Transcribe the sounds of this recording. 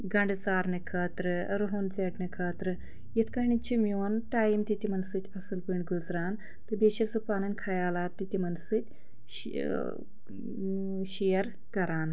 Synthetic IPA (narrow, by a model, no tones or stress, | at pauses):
ɡɐɳɖɨt͡saːɾnɨkʰɐːt̪ɾɨ | ɾɨɦunt͡seːʈnɨkʰɐːt̪ɾɨ | jit̪ʰkɐɦɳit͡ʃʰimʲjoːnʈaːjimt̪it̪imɐnsɨt̪ʲɐsɨlpɨɳʲɡuzɾaːn | t̪ɨbeːʃɐsɨpaːnɐnʲkʰɐjaːlaːt̪ːit̪ʲimɐnsɨt̪ʲ | ʃeːjɐɾ | kɐɾaːn